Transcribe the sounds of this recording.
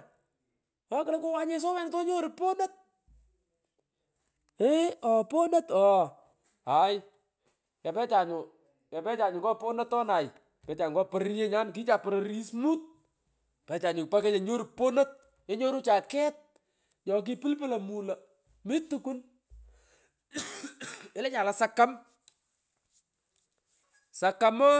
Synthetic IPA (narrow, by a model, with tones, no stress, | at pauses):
ɔ˦kɪ˨le˦ko˦wa˦ɲe˦s̬o˦wɛ˦nto˦ɲo˦ɾu˨po˦nə˦t̚ | e˦ɔ˨po˦nə˦tɔ˨ | a˨j | ja˨pɛ˦t͡ʃa˨ɲʊ˨ | ja˨pɛ˦t͡ʃa˨ɲʊ˨kɔ˦po˦nə˦tːɔ˦na˨j | pɛ˨˦t͡ʃa˨ŋɡɔ˦pə˨ɾɾje˦ɲa˦nki˦t͡ʃa˨pɾe˨ɾi˦smu˦t̚ | pɛ˨t͡ʃa˨ɲʊ˨kpa˦kɛ˦t͡ʃe˨ɲo˦ɾu˨po˦no˦t̚ | e˦ɲo˦ɾu˦t͡ʃa˨kɛ˦t̚ | jɔ˨k̬i˦pɪ˦lpɪ˦lɐ˨mu˨lɐ˨ | mɪ˦tu˨ku˦n | e˦lɛ˦ɲa˨la˦sa˦ka˦m | sa˨ka˦mɔ˦